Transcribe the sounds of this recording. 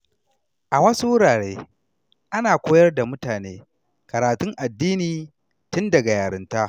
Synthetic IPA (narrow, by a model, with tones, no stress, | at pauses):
ʔa˨wɐ˦su˦wʊ˦ɽaː˨ɽeː˦ | ʔa˦naː˨kʷoː˦jɐ˦rda˨mʊ˦taː˨neː˦ | kɐ˨ɾaː˨tʊ˦ŋʔa˨dːiː˦niː˨ | tʊ˦ndɐ˨ɡa˨jaː˨ɽɪ˦nta˦ʔ